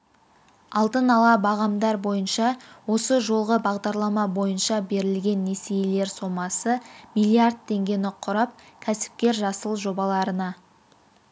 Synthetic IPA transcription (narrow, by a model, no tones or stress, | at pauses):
ɑlˠd̪ənɑlˠɑbɑʁɑmd̪ɑɾbo̞jənʃɑwo̞səʒo̞lˠʁəbɑʁd̪ɑɾlˠɑmɑbo̞jənʃɑbe̞ɾɪlɡʲe̞nːesejele̞ɾso̞mɑsəmilˠiard̪̚t̪ʰːe̞ŋɡʲe̞nɪqʰːʊɾɑp̚kʲʰæsɪ̥p̚kʲe̞ɾʒɑsəlˠʒo̞bɑlˠɑɾənɑ